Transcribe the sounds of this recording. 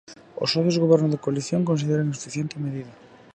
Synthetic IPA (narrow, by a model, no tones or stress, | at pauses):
o̰soðozɣoβɛɾnozðɪkoaliθjoŋkõns̬iðeɾaŋsu̥fiθjent̪ɪmeðiðɐ